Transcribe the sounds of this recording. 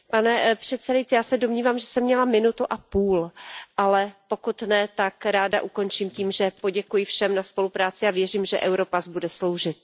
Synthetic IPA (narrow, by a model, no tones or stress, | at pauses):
panɛpr̝̥ɛt̪t͡sɛdajit͡sɪjaːsɛdomɲiːvaːmʒɛsɛmːɲɛlamɪnut̪uʔapuːlʔalɛpo̞kut̪nɛt̪akɾaːda̰ʔuko̞nt͡ʃiːmciːmʒɛpo̞ɟɛkujɪfʃɛmnaspo̞lupɾaːt͡sɪavjɛr̝iːmʒɛʔɛwɾopazbudɛslo̞wʒɪt̪̚